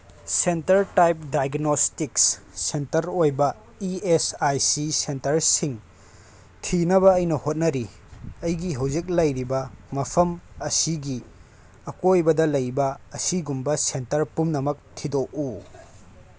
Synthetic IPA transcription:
sentɐɾtajp̚dajɡnostikssentɐɾojbɐ | iesajsisentɐɾsiŋ | tʰinɐβɐːjnɐhot̚nɐɾi | ɐjɡiɦɐwzik̬̚lɐjɾibɐmɐpʰɐmɐsiɡi | ɐkojbɐdɐlɐjbɐːsiɡumbɐsentɐɾpumnɐmɐk̚tʰidoʔu

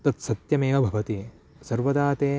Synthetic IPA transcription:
t̪ɐt̪sɐt̪jɐmeːʋɐbʱɐʋɐt̪i | sɐɾʋɐd̪aːt̪eː

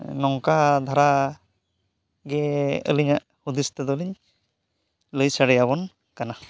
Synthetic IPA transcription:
nɔŋkad̪ʱaɾa | ɡɛə̰liɲaʔ | hud̪ist̪ɛd̪ɔliɲ | ləjsaɽɛjaβɔn | kana

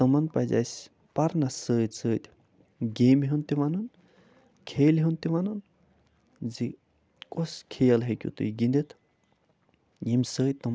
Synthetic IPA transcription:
t̪ɐmɐnpɐza̰jsʲ | pɐɾnasəːt͡səːt̪ʲ | ɡeːmiɦunt̪iʋanun | kʰeːliɦunt̪iʋanun | d͡zi | kʼoskʰejɐlɦekʲjṵt̪ṵjɡind̪et̪ʰ | jimsəːt̪ɐm

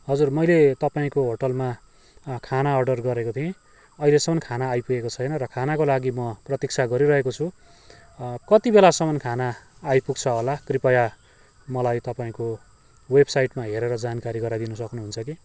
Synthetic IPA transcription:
ɦʌd͡zurmʌjlet̪ʌpaĩkoɦoʈʌlma | kʰanaʌrɖʌrɡʌɾekot̪ʰiẽ | ʌilesʌmʌnkʰanaːjpuɡekot͡sʰʌjnʌɾʌkʰanakolaɡimʌprʌt̪ik̚t͡sʰaɡʌɾiɾʌɦekot͡sʰu | kʌt̪ibelasʌmʌnkʰanaːjpuk̚t͡sʰʌɦolakripʌja | mʌlajt̪ʌpaĩko | websajʈmaɦeɾeɾʌd͡zankaɾiɡʌɾad̪inʌsʌknuɦunt͡sʰʌki

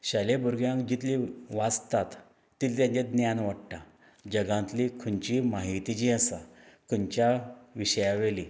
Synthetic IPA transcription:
ɕalebuɾɡjãŋkd͡ʑit̪liʋat͡st̪at̪ː | iːlt̪jãɲt͡ɕed̪njanʋaʈʈa | d͡ʑəɡãnt̪likʰunt͡ɕimaɦit̪id͡ʑiəsakʰəɲt͡ɕjaʋiɕəjaʋeli

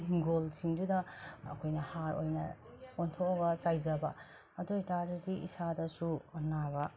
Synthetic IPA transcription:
ɡolsiŋdudɐɐ̰kʰojnɐhaɾo̰jnɐ̰ | ontʰokɐbɐsajzɐbɐ | ɐdojtaɾudiḭsadɐsunabɐ

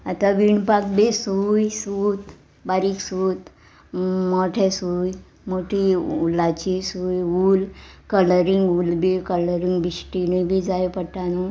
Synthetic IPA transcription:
at̪aʋiɳpakbesujsut̪ | baɾiːksut̪ | moʈʰesuj | moʈʰiulːat͡ɕisujulkələɾiŋɡulbekələɾĩŋɡbiɕʈinibʱid͡zajpəʈanu

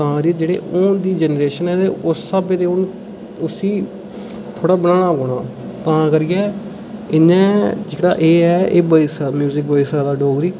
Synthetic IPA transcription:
t̪ãːɾiːd͡ʒeːɽḛːʔoːd̪iːd͡ʒɛnɾeːʃənɛ̃ːt̪eːʊsːəbeːt̪eːʊn | ʊsiː | t̪ʰoːɽaːbənãːɽaːkoːɽãː | t̪ãːkəɾɪːɛː | ɪnːɛ̃ːd͡ʒɪɽa̰ːʔeːɛːḛːbəisamjuːzɪk̚bəiːsaːd̪aːɖoːɡɾiː

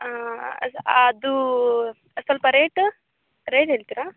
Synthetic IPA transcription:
aɐ̰sɐd̪u | ɐsɐlpɐɾeːʈ | ɾeːʈɦeːɭt̪iɾaː

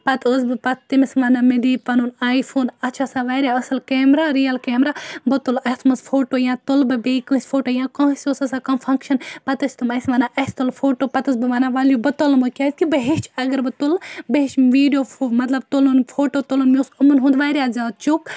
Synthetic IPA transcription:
pɐt̪osbɨpɐt̪t̪imisʋɐnamid̪iːpɐnunaːjfʰoːnɐt͡ʃʰasaʋaːɾʲjaɐsɨlkeːmɾaːɾijɐlkeːmɾaːbɐt̪ulɐt̪ʰmɐsfʰoːʈoːjãːt̪ulbɨbeːkɨsʲfʰoːʈoːjãːkãːsʲosɐsakɐmfʰɐŋkʃɐnpɐt̪ɐsʲt̪umɐsʋɐnaʔɐst̪olfʰoːʈoːpɐt̪ɐsbɨʋɐnaːʋaljubɐt̪olmukʲaːsʲkibɐɦet͡ʃɐɡɐɾbɨt̪ulbɐɦeʃʋiːɖjoːfmɐt̪lɐbt̪olunfʰoːʈoːt̪olunmiusɐmunɦũːnd̪ʋaːɾjazaːd̪̚t͡ʃuk

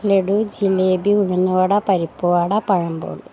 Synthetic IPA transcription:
leɽud͡ʑileːbiuɻunːuʋaɽɐpɐɾipːoʋaɽɐpɐɻɐmbo̰ːɭ

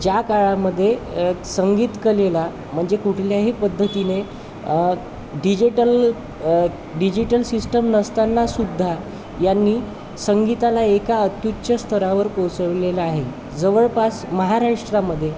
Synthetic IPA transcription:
d͡ʑjakaɭaməd̪ʱːjesəŋɡiːt̪kəlela | m̤əɳd͡zekuʈʰljaɦipəd̪ʱːət̪ine | ɖid͡ʑiʈəl | ɖid͡ʑiʈəlsisʈəmnəst̪anːasud̪ʱːa | janːiː | səŋɡit̪alaekaət̪jutːɕəst̪ʰəɾaʋəɾkot͡səʋleləaɦe | d͡zəʋəɭpasməɦaɾaʂʈɾaməd̪ʱːje

